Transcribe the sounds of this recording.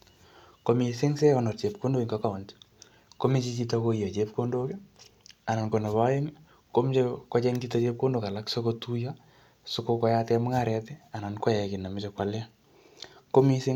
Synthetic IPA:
komi˨sɪ˦ŋsɛ˦ɔ˨nɔ˨rt͡ʃe˨p̚ko˦ndo˦iŋɡaka˨o˨nt | ko˦mi˦t͡ʃit͡ʃitakoija˨t͡ʃepkondo˦ke˦a˨na˨nko˨na˨βaje˦ŋ | ko˦mt͡ʃkɔ˦t͡ʃɛ˦ŋɡita˦t͡ʃe˦p̚ko˦ndoka˨la˦kso˦kotu˦ja | sʊkokɔ˦jatɛmʊ˦ŋaɾɛtɛ˦a˨na˨nkɔ˦jɛki˨na˨mɪt͡ʃekwala˦ | ko˦mi˦sɪ˦

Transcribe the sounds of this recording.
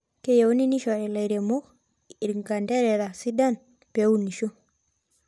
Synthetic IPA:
ke˦ja˨wu˦ni˦ni˦ʃo˨ɾɛ˨la˨ɾe˨mo˦ | i˨ɾŋɡa˨nde˦ɾe˨ɾa˨si˦da˦n | pe˨˦wu˦nːi˨ʃo˦

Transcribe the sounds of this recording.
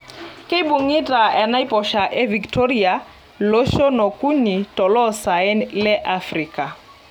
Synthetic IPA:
kʼɪ˦i˦bʊŋi˦tʼa˨ɛ˨na˦i˦pʼɔʃa˨ʔɪ˦vi˨ktʰo˦ria | lo˦ʃɔ˦nɔ˨kʼu˦ni˨tʼɔ˨lɔ˦sa˨ɪ˦nlɪ˦ʔafriːkʼa˨

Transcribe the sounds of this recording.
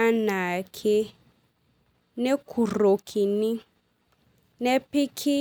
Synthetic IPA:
a˦na˨kʰɪ˦ | ne˦kʰu˨ro˨kʰi˨ni˦ | ne˦pʰɪ˦kʰi˦

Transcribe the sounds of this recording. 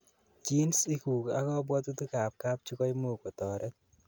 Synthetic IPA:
t͡ʃi˦nsi˦ku˨ka̰˨˦kɔ˦bwɔ˦t̪u˦t̪u˦ka˨p̚ka˦p̚t͡ʃu˦kɔ˦i˦mo˦˨kɔ˨t̪ɔ˨ɾʔɛ˦

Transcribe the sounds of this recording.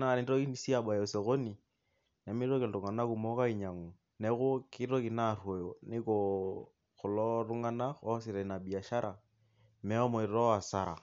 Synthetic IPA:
na˨nɪ˦ɾo˦ki˦i˦si˦a˨ba˨ɛ˨sɛ˨ɣo˦ni˨ | na˨mɪ˦ɾo˦kɛ˨l̩˨ɾu˨ŋa˨na˦ku˨mɔ˦ka˦i˨ɲa˨ŋu˨ | nɛ˦ɣʊ˦kɪ˦ɾo˦ki˨na˨rwɔ˨jɔ˨nɪ˦kɔ | kʊ˨lɔ˦ru˦ŋa˦na˦ɔ˦sɪ˨ɾɛ˨na˨bi˨a˨ʃa˦ɾʔa˨ | mɛ˦ɔ˦mɔ˨i˨ɾɔ˦wa˨sa˦ɾa̰˨

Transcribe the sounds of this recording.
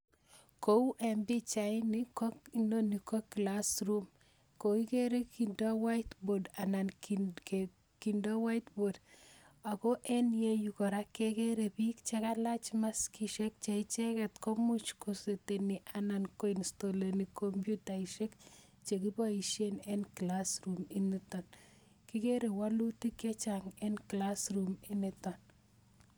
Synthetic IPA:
ko˦wʔɛ˨mbi˦t͡ʃajnikɔ˦kino˦ni˨ko˦kːlasɾum | ko˨i˦ke˦ɾe˦ki˨ndɔ˦wa˦jtboda˨na˨nk | ki˨ndɔ˦wa˦jtbod | a˨ko˦ʔɛ˦nje˦ju˨kɔ˨ɾa˦kekeɾe˨pikt͡ʃe˦ka˦la˦t͡ʃma˦skiʃe˦k̚t͡ʃe˨it͡ʃɛ˦kɛ˨t̪ko˦mu˦t͡ʃko˨se˨te˨ni˨ʔa˨nanko˦insto˨le˨ni˨ko˦mpju˦ta˨iʃe˦k | t͡ʃe˨ki˦pɔ˦i˨ʃje˦nɛ˦nklasɾumi˦nitɔ˨n | ki˦ke˦ɾe˨waluti˦ke˦t͡ʃaŋɛnklasɾuminɛtɔ˨n

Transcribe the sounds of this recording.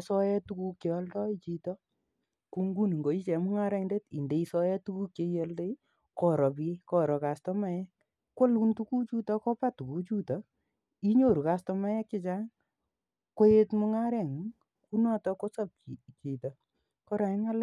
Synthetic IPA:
sɔ˦jɛ˦tu˧ku˦kje˨ɔ˧˦ldɔ˦i˦t͡ʃi˧tɔ˦ | ku˧ŋɡu˦ni˨ŋɡo˨i˦t͡ʃɛ˨mʊ˦ŋa˦ɾɛ˧ŋnde˦ti˨nde˨i˦sɔ˦jɛ˦tu˦ku˦kje˧je˧lde˦ | kɔ˦ɾɔ˨pi˦e˦kɔ˦ɾɔ˨ka˨stɔ˦ma˨jɛ˦ | kwo˦lu˦ntu˦ku˦t͡ʃu˦tɔ˦kɔ˦pa˦tu˨ku˦t͡ʃu˦tɔ˨ | i˦ɲo˦˨ɾu˨ka˨stɔ˧ma˦jɛ˦kːɪ˦t͡ʃa˦ŋ | ko˦je˦tmʊ˦ŋa˦ɾɛ˨ŋ˨ | ku˦nɔ˦tɔ˧ko˦sɔ˦p̚ki˨t͡ʃi˨tɔ˨ | kɔ˦ɾa˨˦ŋa˦l

